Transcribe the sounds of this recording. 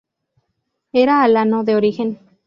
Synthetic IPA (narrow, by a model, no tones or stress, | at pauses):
eɾaːlanoðeoɾixen